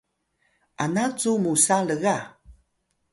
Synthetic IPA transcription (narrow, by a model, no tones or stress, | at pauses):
ʔanat͡sumusaləɣa